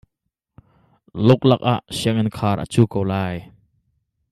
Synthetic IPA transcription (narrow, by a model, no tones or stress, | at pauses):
lʊk̚lak̚ʔa̰ʔsiəŋɪnkʰaːɾʔə̰t͡suːkowlaːj